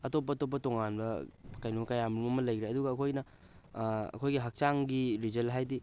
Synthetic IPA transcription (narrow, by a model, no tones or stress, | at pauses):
ɐtop̬ːɐtop̬ːɐtoŋanbɐkajnokɐjamlumɐmɐlɐjɡɾeɐduɡɐːkʰojnɐ | ɐ̰kʰojɡiɦɐk̚t͡ʃaŋɡiɾizelɦajdi